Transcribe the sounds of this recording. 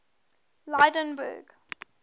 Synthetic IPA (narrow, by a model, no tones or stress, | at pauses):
laɪdə̃nbə̰ɡ